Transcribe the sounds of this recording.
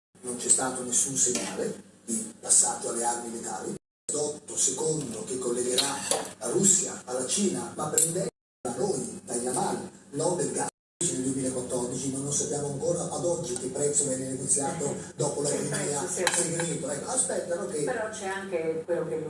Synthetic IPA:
nont͡ʃɛst̪aːt̪onesːunseɲːaːled̪ipasːaːd͡ʒoalːearmilet̪a̰ːli | d̪ɔt̪ːosekond̪ok̟ekːolːeɡeɾalaɾusːjaːlːat͡ʃiːnamapːɾɛnd̪e | anojt̪aʎːamalnɔb̪elɡa | t͡ʃineld̪wemiːlaekwat̪ːɔrd̪it͡ʃimanːonsapːjaːmoaŋkoːɾaʔad̪ɔd͡ʒːik̟epːɾɛt̪sːovjɛnːeneɡot̪sːjaːt̪od̪ɔːpolat̪ːimɛaseɾiveniːt̪oɛkːaspɛt̪ːanok̟epeɾɔt͡ʃɛaŋkekwelːoke

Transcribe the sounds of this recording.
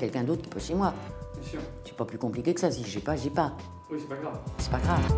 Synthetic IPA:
kʲɛlkʲɛ̃d̪ot̪χki̥pɔʃemwaɛsyʁsyɛpaplykɔ̃plikʲekəsasiʒɛpaʒɛpa | wisɛpaɡʁavsɛ̥paɡʁav

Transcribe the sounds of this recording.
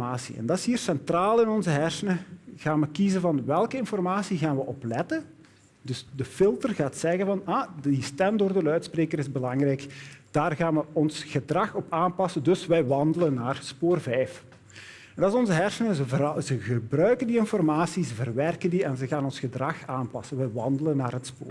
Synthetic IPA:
aːsḭɛ̰ndɑtɪsɦiːrsɛntraːlˠɪnɔnzəɦɛrsənəɣaːnʋəkizəvɑnʋɛlˠkəɪnfɔrmaːsiɣaːnʋəʔɔplɛtən | dɵsdəfɪlˠtərɣaːtsɛɣənvɑnadistɛmdoːrdəlœɥtspreːkəɾɪzbəlɑŋrɛjkd̥aːrɣaːnʋəɔnsɣədrɑxɔpaːnpɑsəndɵsʋɛjʋɑndələnːaːrspoːrvɛjf | ɛndɑsɔnzəɦɛrsənəzəəzəɣəbrœɥkəndiɪnfɔrmaːsizəvərʋɛrkəndiɛnzəɣaːnɔnsxədrɑxaːnpɑsənʋɛjʋɑndələnːaːrɦətspo̰ːr

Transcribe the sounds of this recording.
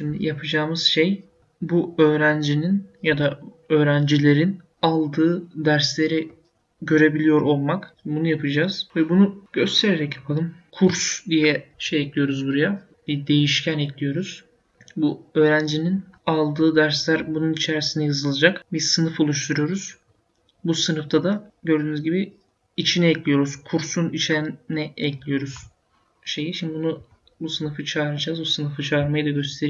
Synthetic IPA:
ʃimd̪ḭjapʰɯd͡ʒaːmɯz̥ʃej | buø̞ːɾænd͡ʒininjad̪a | ø̞ːɾænd͡ʒilʲe̞ɾin | alˠd̪ɯːd̪æɾslʲe̞ɾi | ɟø̞ɾe̞bilʲijo̞ɾo̞lˠmakbunujapʰɯd͡ʒaːz̥vɛbunuɟ̥ø̞st̪ʰe̞ɾeɾɛcjapʰalˠɯmkʰuɾsd̪ijɛʃejɛc̪lʲijo̞ɾuzbuɾaja | bid̪e̞jiʃcʰænɛt̪lʲijo̞ɾuz̥ | buø̞ːɾænd͡ʒininalˠd̪ɯːd̪æɾslʲæɾbununit͡ʃʰɛɾsind̪ɛjɯzɯlˠad͡ʒakbiɾsɯnɯfo̞lˠuʃt̪ʰuɾujo̞ɾuz̥ | busɯnɯft̪ʰad̪aɟø̞ɾd̪yːnyzɟibi | it͡ʃʰinɛɛclʲijo̞ɾuz̥kʰuɾsunit͡ʃʰeɾinɛɛclʲijo̞ɾuz̥ | ʃe̞jiʃimd̪ibunu | busɯnɯfɯt͡ʃʰaːɾɯd͡ʒaːzbusɯnɯfɯt͡ʃʰaːɾmajɯd̪aɟø̞st̪ʰe̞ɾi

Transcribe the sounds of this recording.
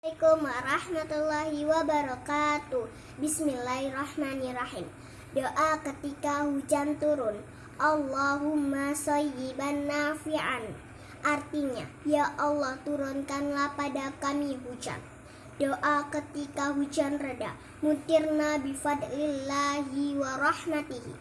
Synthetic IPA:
kumwaɾɑhmat̪ulːaɦiwabaɾɔkat̪uh | bismilːarahmanirahim | doʔakət̪ikahud͡ʒant̪uɾʊn | ʔɑlːaɦumːasajɪbanːafiʕa̰n | ʔart̪iɲa̰jaʔɑlːɑht̪uɾʊnkanlahpadakamiɦud͡ʒa̰n | doʔakət̪ikaɦud͡ʒanrəda̰ʔ | mut̪ɪrnabifad̪lilːaɦiwaɾɑħmat̪ihḭ

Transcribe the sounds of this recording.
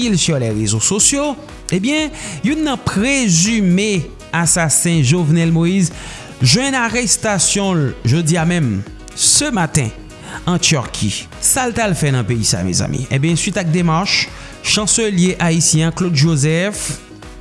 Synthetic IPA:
ilsyʁlɛʁezososjo | ebjɛ̃junːɐ̃pʁezyme | asasɛ̃ʒovnɛlmoiz | ʒwɛ̃naʁɛst̪asjɔ̃lʒodiamɛ̃m | səmat̪ɛ̃ | ɑ̃t̪yʁkʰḭ | salt̪alfɛnɑ̃peisa̰mɛ̰za̰mḭḛ̃bjɛ̃sɥit̪ak̚d̪emaʁʃ | ʃɑ̃søljeʔaisjɛ̃klod̪ʒozɛf

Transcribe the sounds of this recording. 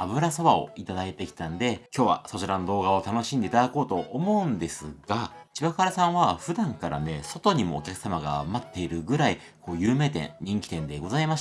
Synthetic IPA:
abɯ̟ɾaso̞βao̞̰it̪ad̪ait̪e̞kʲi̥t̪ãnd̪e̞kʲo̞ːβa̰so̞t͡ɕiɾano̞d̪o̞ːɡao̞t̪ano̞ɕĩnd̪e̞it̪ad̪ako̞ːt̪o̞ʔːmo̞ɯ̟̃nd̪e̞sɨɡat͡ɕibakaɾasãɰ̃β̞aɸɯ̟d̪ãŋkaɾa̰ne̞so̞t̪o̞ɲ̟imo̞̰ːkʲakɯ̟̥samaɡa̰mat̪ːe̞iɾɯ̟ɡɯ̟ɾai | ko̞ːjɯ̟ːme̞ːt̪ḛ̃ɲ̟ĩŋkʲi̥t̪ẽ̞nd̪e̞ɡo̞zaimaɕ

